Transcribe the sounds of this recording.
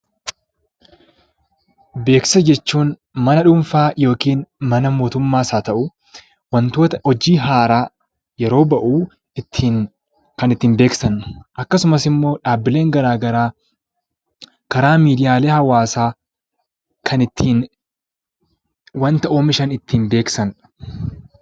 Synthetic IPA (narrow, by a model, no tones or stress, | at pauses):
be̞ːksɐd͡ʒɛt͡ʃːuːnmɐnɐᶑʊmfaːjo̞ːkiːnmɐnɐmo̞ːt̪ʊmːaːsaːt̪ɐʔʊ | wɐnt̪oːt̪ɐhɔd͡ʒiːɦaːɾaː | jɛɾo̞ːbɐʔuː | ɪt̪ʰːiːn | kɐnɪt̪ːiːmbe̞ːksɐnʔɐkːɐsʊmɐsɪmːo̞ːᶑaːbːɪle̞ːŋɡɐɾaːɡɐɾaː | kɐɾaːmiːd̪ɪjaːleːhɐwaːsaː | kʰɐnɪt̪ʰːiːn | wɐnt̪ɐʔoːmɪʃɐnɪt̪ːiːnbe̞ːksɐn